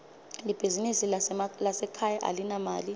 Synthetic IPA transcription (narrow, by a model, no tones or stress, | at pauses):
lib̥ʱizinisilasɛkʰajaʔa̰linamaːli